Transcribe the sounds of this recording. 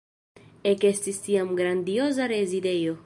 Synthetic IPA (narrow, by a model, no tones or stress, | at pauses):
ekest̪ist̪iamɡɾand̪iozaɾezid̪ejo